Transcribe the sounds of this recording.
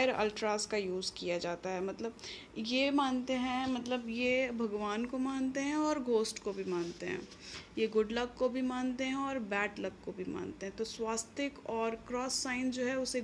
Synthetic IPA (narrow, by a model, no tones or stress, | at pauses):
əɾə̰lʈɾaːskajuːzkijad͡ʒaːt̪aɦɛmɐt̪ləb | jemaːnt̪eɦɛ̃mɐt̪ləbjebʱɐɡʋaːnkomaːnt̪eɦɛ̃ɔːɾɡoːsʈkobʱimaːnt̪eɦɛ̰̃ː | jeɡʊɖləkkːobʱimãːnt̪eɦɛ̃ɔːɾbɛːʈlɐkkobʱima̰ːnt̪eɦɛ̃t̪oswaːst̪ɪkɔːɾkɾɔːsːaːɪnd͡ʒoːɦɛʊse